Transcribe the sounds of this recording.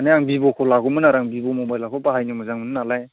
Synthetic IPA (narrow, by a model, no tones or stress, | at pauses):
aneaŋbibɔkʰɔlaɡɔmɯnaɾaŋbibɔmɔbajlakʰɔbaɦajnimɯzaŋmɯnɯnalaj